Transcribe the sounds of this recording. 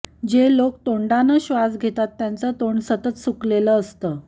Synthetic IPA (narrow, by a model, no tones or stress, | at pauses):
d͡ʑelokt̪oɳɖanəɕʋasɡʱet̪at̪ːjant͡sət̪oɳsət̪ət̪sukleləːst̪əː